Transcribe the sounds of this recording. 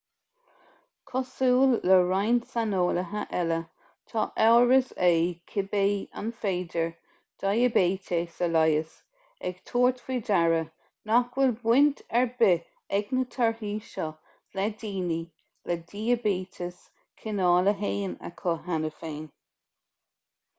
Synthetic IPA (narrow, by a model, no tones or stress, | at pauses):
kʰɔsuːlːəɹajnsanoːləɦəʔɛlə | t̪ʰɑ̰ʔɛwɹəsejkʰɪbeːa̰nfeːdəɹ | d̥ajəbeːtʰesəlajəs | ɛɡ̥tʰoːɹtwidaɹə | nakwɪlbwɪntɛɹbɪ | ɛɡnətʰaɹhiːʃɔ | lɛdiːni | lɛdiːəbeːtʰəs | kʰɪnɑːləɦeːnə̰kʰɔɦanəfeːn